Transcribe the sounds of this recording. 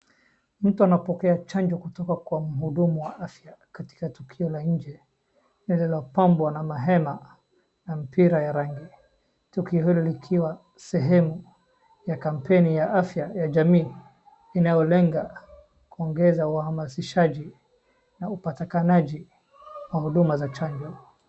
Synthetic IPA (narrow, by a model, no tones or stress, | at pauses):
m̩tuanapɔkɛat͡ʃaɲd͡ʒɔkutɔkakwam̩ɦuɗumuwaʔafjakati̥katukʰiɔlaɲ̩d͡ʒɛ | nililɔpambwanamaɦɛma | nam̩piɾajaɾaŋɡi | tukiɔhilɔlikʰiwa | sɛɦɛmu | jakam̩pʰɛnijaʔafjajaʄamiː | inajɔlɛŋɡa | kuɔŋɡɛzauhamasiʃaʄi | naupatikanaʄi | wahuɗumazat͡ʃaɲd͡ʒɔ